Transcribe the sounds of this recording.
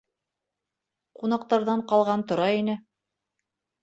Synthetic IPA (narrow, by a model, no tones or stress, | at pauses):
qunɑq̚t̪ɑɾðɑɴqɑlˠʁɑnt̪ŏɾɑjinɘ